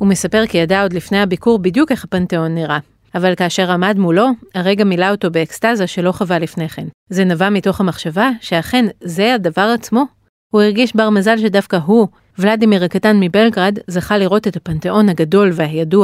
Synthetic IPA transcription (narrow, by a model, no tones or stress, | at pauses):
hume̞sape̞ʁkijadao̞dlifnejabikuʁbidjuke̞χhapanteo̞nːiʁa | avalkaːʃe̞ʁamadmulo̞aʁe̞ɡamilao̞to̞be̞ːkstazaʃe̞lo̞χavalifneχe̞nze̞navamito̞χamaχʃavaʃe̞aχe̞nze̞adavaʁat͡smo̞ | huiʁɡiʃbaʁmazalʃe̞dafkaɦu | vladimiʁakatanmibe̞lɡʁadzaχaliʁo̞tethapanteʔo̞nhaɡado̞lvehajadu